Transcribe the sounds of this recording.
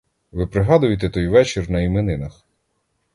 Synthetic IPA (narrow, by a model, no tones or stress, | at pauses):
ʋɪpɾɪɦɑd̪ʊjɪt̪ɛt̪ɔjʋɛt͡ʃɪrnɐimenɪnɐx